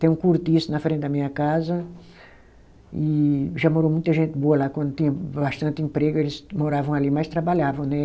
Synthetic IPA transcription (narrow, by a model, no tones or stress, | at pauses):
t̪ẽj̃ũkuɾt̪isʊnɐfɾẽt̪ɪd̪ɐmĩɲɐkazɐ | ɪʒamoɾomũj̃t̪ɐʒẽnt̪ɪboɐlakwɐ̃nd̪ʊt̪ĩɲɐbast̪ɐ̃nt̪ɪẽmpɾeɡʊelɪsmoɾavɐ̃w̃alimajst̪ɾabaʎavɐ̃w̃nɛ